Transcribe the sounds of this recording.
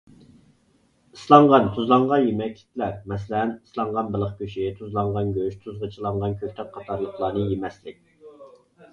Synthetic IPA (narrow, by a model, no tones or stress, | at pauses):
islˠɑɴʁɑnt̪ʰuzlˠɑɴʁɑjemɛkʲʰːi̥t̪ʰlæɾmɛs̬lɛnislˠɑɴʁɑnbəlˠəχkʲøʃit̪ʰuzlˠɑɴʁɑnɡʲøʃt̪ʰuzʁɑt͡ʃʰəlˠɑɴʁɑnkʲʰøk̚ʲt̪ʰɛk̚qʰɑt̪ʰɑɾlˠəχlˠɑːnɨjemɛslɪk̚ʲ